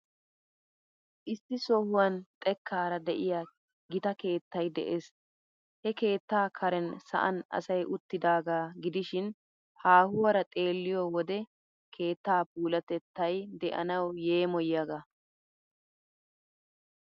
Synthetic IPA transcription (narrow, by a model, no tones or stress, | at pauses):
ʔɪsːɪsɔhʊwɐnt̪ʼɛkʰːaːɾɐd̪ɛʔɪja | ɡɪt̪ɐke̞ːt̪ːɐjd̪ɛ̰ʔeːs | hɛke̞ːt̪ːaːkʰɐɾɛnsɐ̰ʔɐ̰nɐ̰sɐjʔʊt̪ːɪd̪aːɡaːɡɪd̪ɪʃɪn | haːhʊwɐɾɐt̪ʼe̞ːlːɪjɔwɔd̪ɛ | kʰe̞ːt̪ːaːpuːlɐt̪ɛt̪ːɐjd̪ɛʔɐ̰nɐwje̞ːmɔjjaɡa